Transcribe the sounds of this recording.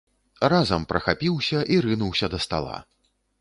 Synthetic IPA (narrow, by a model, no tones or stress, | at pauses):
razɐmpɾɐxapʲiwsʲɐʔiɾɨnuwsʲɐd̪ɐst̪a̰lˠa̰